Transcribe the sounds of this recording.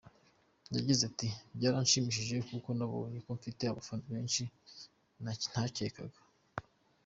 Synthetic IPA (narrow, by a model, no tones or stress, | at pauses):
ɲjaɟizatibɟaːɾanʃimiʃ̬iʒe̞kuko̞naβo̰ɲekoɱfite̞aβafanoβeːnʃi | nan̥hace̞kaɡḁ